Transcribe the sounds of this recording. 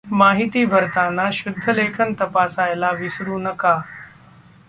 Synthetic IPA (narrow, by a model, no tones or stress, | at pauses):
maːɦit̪iːbʱəɾt̪anaʃʊd̪ʱːəleːkʰənt̪ɐpaːsaːjlaʋɪsɾuːnɐkaː